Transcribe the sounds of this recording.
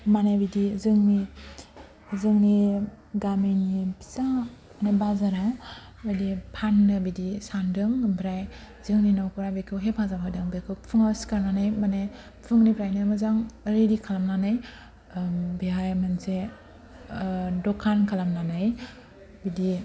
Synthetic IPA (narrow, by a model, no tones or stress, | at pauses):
manebidizɯŋni | zɯŋni | ɡamejnipʰi̥sa | manebazaɾaw | bedipʰanːɯbidisandɯŋbɾaj | zɯŋninawkuɾabekʰɯwɦepʰazabʰadɯŋbekʰɯwpʰɯŋaskaɾnanajmane | pʰɯŋnibʰɾajnɯmazaŋɾedikʰalamnanaj | biɦajmanse | dɔkʰankʰalamnanaj | bidi